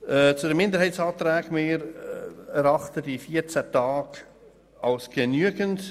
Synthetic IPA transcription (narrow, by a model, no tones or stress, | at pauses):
ɛt͡sʊdɛmɪnd̪əɾhɛɪsɑːt̪ɾæːɡmɪːɾ | ɛɾɑχtədifiət͡sætɑːɡ | ɑlsɡ̥ənyəɡənt